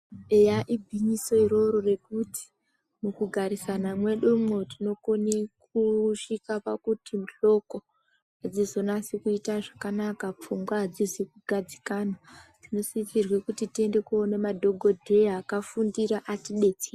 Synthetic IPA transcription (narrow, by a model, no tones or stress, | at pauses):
ejaʔibʱiɲiso̞iɾo̞ɾo̞re̞kuti̥ | mukuɡʱaɾisanamwe̞ɗomo̞tino̞konekuʃikapa̰kutimuɬo̞ko̞ | ad͡zizo̞nasikuitaʐakanakap͡fumɡwaad͡zizikuɡʱad͡zikanatino̞sit͡sirwekutitie̞nde̞kuo̞ne̞madʱo̞ɡʱo̞dʱe̞akafundiɾaʔatiɗe̞t͡seː